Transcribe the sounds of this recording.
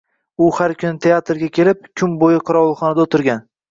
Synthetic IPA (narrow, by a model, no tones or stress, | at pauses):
ʊhaɾkʰʲʊnɪt̪ʰe̞at̪ɾɡʲakʲʰe̞lɪp̚kʲʰʊmbojɪqʰɨɾɒwlˠχɒnad̪aot̪ʰɪɾɡʲan